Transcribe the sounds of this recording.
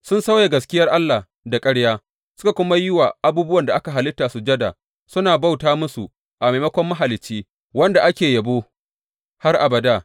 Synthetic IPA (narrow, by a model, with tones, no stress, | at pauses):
sʊ˦nsa˦wja˨ɡɐ˨skʲɪ˦jɐ˦rʔa˦lːa˨ | da˨kʼɐ˦ɽjaː˦ | sʊ̥˦ka˨kʷʊ˦ma˦jɪ˦wa˨ʔa˨buː˦bʊ˦wɐ˨nda˨ʔa˦ka˨ɦa˨lɪ˦tːaː˨su˨d͡ʒɐ˦da̰˨ | sʊ˦naː˨ba˦˨wtaː˦mʊ˦su˨ | ʔa˨me˨mɐ˦kʷɔ˦mːa˦ɦa˨lɪ˨t͡ʃːiː˦ | wɐ˦nda˨ʔa˦kʲeː˨jɐ˨boː˦ | ha˦rʔa˨bɐ˨daː˦